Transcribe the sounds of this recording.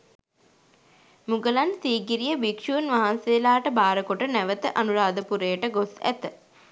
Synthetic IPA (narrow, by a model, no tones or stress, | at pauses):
muɡəlansiːɡiɾijəʋikʂuːnʋaɦanseːlaːʈəbaːɾəkoʈənæʋət̪əʔanuɾaːd̪əpuɾeːəʈəɡosæ̰t̪ə